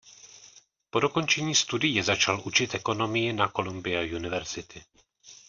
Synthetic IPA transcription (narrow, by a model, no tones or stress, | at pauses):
po̞do̞ko̞nt͡ʃɛɲiːst̪udɪjɛzat͡ʃalʔut͡ʃɪt̪ʔɛko̞no̞mɪjɪnako̞lumbɪjajunɪvɛɾz̥ɪt̪ɪ